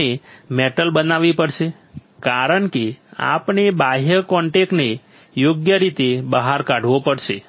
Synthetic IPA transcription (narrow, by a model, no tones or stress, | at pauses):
emeʈəlbənaʋipəɽʃe | kaɾəɳkea̰pnebaɦjəkɔ̃ɳʈekne | joɡjəɾit̪ebəɦaɾkaɽʱʋopəɽʃe